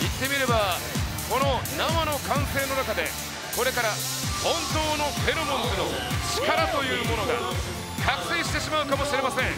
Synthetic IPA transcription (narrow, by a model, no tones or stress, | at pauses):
it̪ːe̞mʲiɾe̞bako̞no̞namano̞kãɰ̃se̞ːno̞nakad̪e̞ | ko̞ɾe̞kaɾa | hõ̞nt̪o̞ːno̞ɸe̞ɾɯmõ̞nt͡sɨno̞ | t͡ɕi̥kaɾat̪o̞jɯ̟ːmo̞no̞ɡa̰ | kakɯ̟̥sẽ̞ːɕi̥t̪eɕimaɯ̟kamo̞ɕiɾe̞masẽ̞ŋ